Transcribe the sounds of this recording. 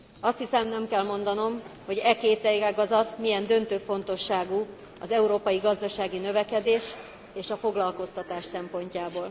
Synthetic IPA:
ɒst̪hisɛmnɛmkɛlmo̞n̪d̪ɒno̞mho̞ɟɛkeːt̪ɛɡaːɡɒzɒt̪miɛnd̪ø̞nt̪øːfo̞n̪t̪o̞ʃːaːɡu | ɒzɛuɾoːpɒjiɡɒzd̪ɒʃaːɡinø̞vɛkɛd̪eːʃ | eːʃɒfo̞ɡlɒlko̞st̪ɒt̪aːʃsɛmpo̞ɲcaːboːl

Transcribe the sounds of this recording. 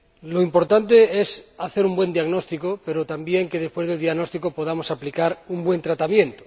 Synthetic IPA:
loimpo̞ɾt̪ant̪̬eesaθe̞ɾumbwe̞nd̪iaɣnost̪ikope̞ɾot̪ambje̞ŋkeð̞espweðeld̪jaɣno̞st̪ikopoð̞amo̞saplikaɾumbwe̞nt̪ɾat̪amjẽ̞nt̪o̥

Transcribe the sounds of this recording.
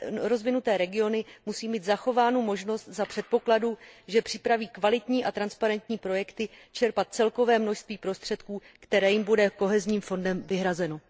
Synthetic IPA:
ɾo̞zvɪnut̪ɛːɾɛɡɪo̞nɪmusiːmiːt̪zaxo̞vaːnumo̞ʒno̞st̪zapr̝̥ɛt̪̚po̞kladuʒɛpr̥ɪpɾaviːkvalɪt̪ɲiːʔat̪ɾanspaɾɛnt̪ɲiːpɾo̞jɛkt̪ɪ | t͡ʃɛɾpat̪̚t͡sɛlko̞vɛːmno̞ʃst̪viːpɾo̞st̪r̝̥ɛt̪kuː | kt̪ɛɾɛːjɪmbudɛko̞ɦɛzɲiːmfo̞ndɛmvɪɦɾazɛno̞

